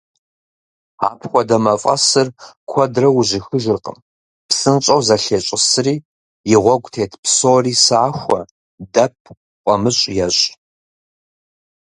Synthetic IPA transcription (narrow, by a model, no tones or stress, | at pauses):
a̰ːpʰxʷɔdɐmɐfʼɐ̰sɨrkʷʰɔdrɐwʊʑɪxɨʒɨrqə̰m | psɨnt͡ʃʼɐwzɐɬeːɕʼɪsɨriː | jɪʁʷɔɡʷʼtʰeːtʰpʰsoːriːsɨːxʷɔ | dɐp̚ʰ | qʷʼɔmɨɕʼjɛɕʼ